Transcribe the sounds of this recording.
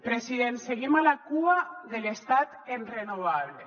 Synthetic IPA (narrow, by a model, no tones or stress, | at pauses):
pɾesiðenseɣimalakuaðelest̪at̪enrenoβaβle